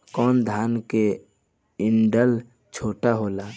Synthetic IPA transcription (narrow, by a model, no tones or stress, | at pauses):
kɔːnd̪ʱaːnke | ɪnɖəl | t͡ʃʰoːʈaɦoːlaː